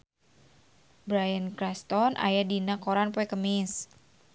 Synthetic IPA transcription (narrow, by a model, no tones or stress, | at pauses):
bɾajankɾast̪ɔnʔa̰jadinakoɾanpoɛkəmɪs